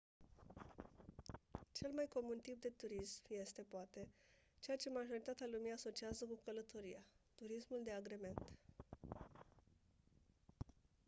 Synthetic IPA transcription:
t͡ʃe̞lmajko̞munt̪ip̚d̪e̞t̪uɾismje̞st̪e̞poat̪e̞t͡ʃe̞jat͡ʃe̞maʒo̞ɾit̪at̪ealumiaso̞t͡ʃiazəkukələt̪o̞ɾijat̪uɾismuld̪e̞aɡɾe̞me̞nt̪

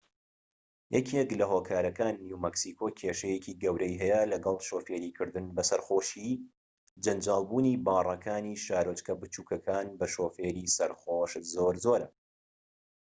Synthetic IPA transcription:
jʔɛkʰeklɐɦokʰaːɾɐkʰaːnːjumɐksikʰoːkʰeʃɐjecʰiːɡɐwɾɛjɦɛjɛlɐɡɐlˠʃoːfeːɾiːkʰɨɾd̪ɨnbɐsɐɾχoːʃi | d͡ʒɐnd͡ʒaːlˠbuːnibɑːrˤɑkʰaːniʃaːɾot͡ʃkʰɐbɨt͡ʃuːkɐkʰaːnbɐʃoːfeːɾiːsɐɾxoːʃzoːɾzoːɾɐ̰

